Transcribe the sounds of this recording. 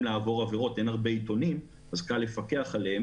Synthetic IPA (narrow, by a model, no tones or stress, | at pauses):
laːvo̞ʁaveʁo̞te̞naʁbe̞it̪o̞nim | azkale̞fake̞aχaleː